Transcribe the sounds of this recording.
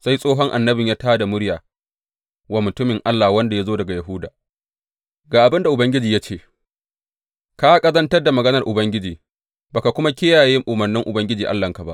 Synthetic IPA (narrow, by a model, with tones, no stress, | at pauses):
sa˦jsʼoː˦ɦɔ˦ŋʔa˨nːɐ˦bɪ˨ɲjaː˦taː˦da˨mʊ˦ɽjaː˨ | waː˦mʊ˨tʊ˦mɪ˨ŋʔa˦lːa˨hwɐ˦nda˨ja˦zoː˦dɐ˨ɡa˨ja˨ɦʊ˦da̰ː˨ | ɡaː˨ʔa˨bɪ˦nda˨ʔʊ˨bɐ˦ŋɡʲɪ˦d͡ʒiː˨ja˦t͡ʃeː˦˨ | ka˦kʼɐ˦zɐ˦ntɐ˦rda˨mɐ˨ɡɐ˦nɐ˨rʔʊ˨bɐ˦ŋɡʲɪ˦d͡ʒiː˨ | ba˨ka˨kʷʊ˦ma˦kʲɪ˦jaː˨je˦ŋʔʊ˨mɐ˨rnɪ˦ŋʔʊ˨bɐ˦ŋɡʲɪ˦d͡ʒiː˨ʔa̰˦lːɐ˨ŋka˨ba̰˦ʔ